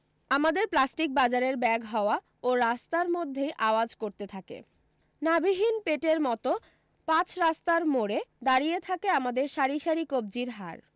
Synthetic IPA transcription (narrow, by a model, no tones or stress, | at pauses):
amad̪eɾplasʈik̚bad͡ʑaɾeɾbɛɡɦɔoa | oɾast̪aɾmod̪ʱːejʔaoad͡ʑkoɾt̪et̪ʰakḛ | nabiɦinpeʈeɾmɔt̪o | pãt͡ɕʰɾast̪aɾmoɾed̪aɾijet̪ʰakeamad̪eɾʃaɾiʃaɾikob̚d͡ʑiɾɦa̰ɾ